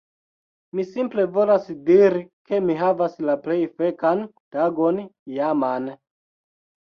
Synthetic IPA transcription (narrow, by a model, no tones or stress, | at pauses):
misimple̞vo̞lasdiɾike̞miɦavaslaple̞jfekan | taɡo̞njaman